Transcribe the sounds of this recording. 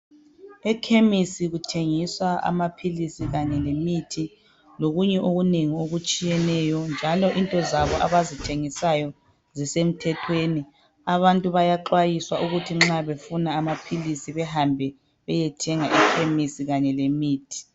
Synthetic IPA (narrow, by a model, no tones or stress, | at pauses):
ɛkʰemisiɣutʰeŋiswaa̰mapʰilisiɣaɲɛlemitʰi | loɣuɲɛʔoɣuneŋioɣut͡ʃʼijɛnɛjɔnd͡ʒʱalɔʔintʼɔzaβɔʔaβazitʰeŋisajɔ | zisem̩tʰɛtʰweni | aβantʼuβajaǃwajiswaʔuɣutʰiŋ͡ǁaβefunaːmapʰilisiβɛhambʱɛ | βɛjɛtʰɛŋaʔikʰemisiɣaɲɛlemiːtʰi̥